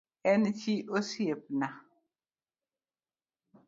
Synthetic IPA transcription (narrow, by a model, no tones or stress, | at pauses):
ɛnt͡ʃiʔosiep̚na